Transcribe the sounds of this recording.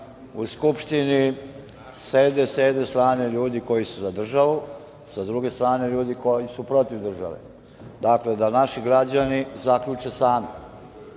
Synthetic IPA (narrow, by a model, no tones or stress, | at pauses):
uskupʃt̪ini | sed̪eseːd̪est̪ɾaːne̞ʎuːd̪iko̞jisuzad̪r̩ʒaʋu | sad̪ɾuɡe̞st̪ɾaːne̞ʎuːd̪iko̞jisupɾo̞t̪iʋd̪r̩ʒa̰ʋḛ | d̪akle̞d̪anaʃiɡɾad͡ʑanizakʎut͡ʃesaːmi